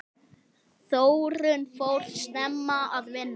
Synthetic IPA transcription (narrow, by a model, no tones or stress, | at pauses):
θoːwɾʏnfoːwɾ̥snɛmːaaðvɪnː